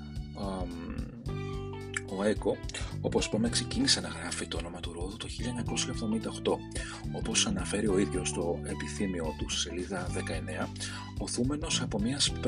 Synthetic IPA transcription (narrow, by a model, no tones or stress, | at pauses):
o̞e̞ko̞o̞posi̥pɐmekse̞cinise̞nɐɣɾɐfit̪oono̞mɐt̪uɾoðut̪oçiʎɐeɲɐko̞sçɐevðo̞mind̪ɐoxt̪o̞ | o̞po̞sɐnɐfe̞ɾio̞iðʝo̞st̪o̞e̞piθimio̞t̪usse̞liðɐðe̞kɐe̞ne̞ɐ | o̞θume̞no̞sɐpo̞miɐsp